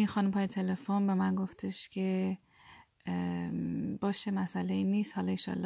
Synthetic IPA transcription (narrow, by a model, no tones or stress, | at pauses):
inxɒːnumpɒːjet̪ʰelefonbemænɡoft̪ʰeʃkʰe | bɒːʃemæsæleiniːst̪hɒlɒenʃɒ̰lː